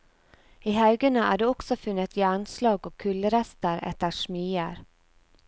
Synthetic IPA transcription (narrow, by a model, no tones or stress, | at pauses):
ɪɦœːɡəɳaæ̰ɖɛɔksɔfɵnːɪt̪ɪanslɑːɡɔkʰːɵlːəɾɛst̪əɾɛ̰t̪aʂmyːaɾ